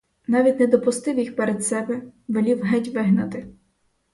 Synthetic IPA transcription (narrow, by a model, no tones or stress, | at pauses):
nɑʋʲitʲnɛd̪ɔpʊst̪ɪwjixpeɾed̪sɛbɛʋelʲiwɦɛtʲʋɪɦnɐt̪ɪ